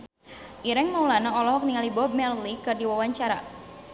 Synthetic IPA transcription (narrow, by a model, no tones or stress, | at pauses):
ʔiɾɛŋnaulanaɔlɔɦɔk̚niŋalibɔb̚mɛllikɨrdiwawaɲt͡ʃaɾa̰